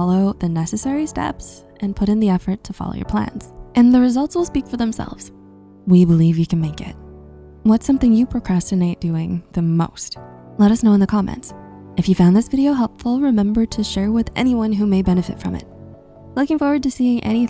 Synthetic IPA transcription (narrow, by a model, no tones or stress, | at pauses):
ɑlˠoʊðɨnɛsɨsɛɹistɛ̰ps | ɨ̃npʰʊɾɨ̃nðiɛfə˞tʰəfɑ̰lˠo̰ʊjə̰˞pʰl̥æ̰̃nz̥ʔɨ̃nðɨɹɨzʌlˠtswlˠspikfə˞ðə̃msɛ̰lˠvz̥ | wibəlivjɨkʰn̩meɪkɪ̰t̚ | wʌtsʌ̃mθɪ̃ŋjɨpʰɹ̥ɨkʰɹ̥æstɨneɪt̚d̥ʉɪ̃ŋðɨmo̰ʊst̚ | lɛɾʌsnoʊ̃nðɨkʰɑmɛ̰̃nts | ʔɨfjɨfãʊnðɪsvɪɾioʊɦɛlˠpfl̩ˠɹɨmɛ̃mbə˞ɾɨʃɛɹwɪðɛ̰ñiwʌ̃nɦumeɪbɛnɨfɨ̰tfɹʌ̰̃mɪ̰t̚ | lʊkɪ̃ŋfɔɹwə˞d̚tɨsiɪ̃ʔɛ̰ñi